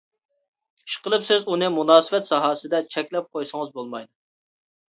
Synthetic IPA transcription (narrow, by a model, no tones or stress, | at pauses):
i̥ʃqəlˠɨpsɪzunɨmunɑːsɨvɛt̪sɑɦɑːsɨd̪ɛt͡ʃʰɛkʲlɛp̚qʰojsəŋəzbolˠmɑjd̪ɨ